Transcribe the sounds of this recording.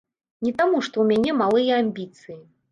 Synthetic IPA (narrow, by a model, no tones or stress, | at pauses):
nʲɛt̪amuʂt̪ɔwmʲanʲɛmalˠɨjɐamʲbʲit̪sɨji